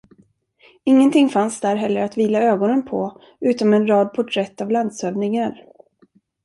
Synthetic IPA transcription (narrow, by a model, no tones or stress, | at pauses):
ɪŋːənt̪ʰɪŋfansd̪æɾɦɛlːəɾat̪viːlaøːɡɔnənpʰɔ | ʉ̟ːt̪ɔmɛnɾɑːd̪̚pʰɔʈʰɾɛt̪ːavland̪søːvnɪŋaɾ